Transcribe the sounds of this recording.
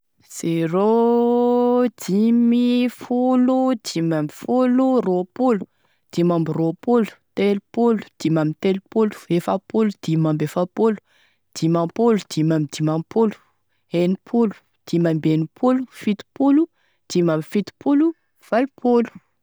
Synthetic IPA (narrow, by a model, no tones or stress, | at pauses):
z̥ero | d̪̥imifulud̪̥imambifuluropulu̥ | d̪̥imambiropulu̥t̪elpulu̥d̪̥imamit̪elupulu̥efapulud̪̥imambefapolu̥ | d̪̥imapolud̪̥imamid̪̥imampʰolu̥ | enipʰulu̥ | d̪̥imambenipʰulufit̪u̥pulu | d̪̥imamifit̪u̥pʰulu | v̥alipʰolu̥